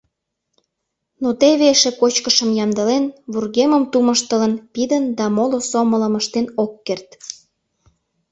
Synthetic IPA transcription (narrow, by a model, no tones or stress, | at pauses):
not̪eβeʃĕkot͡ɕkəʃəmjɑmd̪əlenβurɣeməmt̪uməʃt̪ələnpid̪ənd̪ɑmolosomələməʃt̪enokːert̪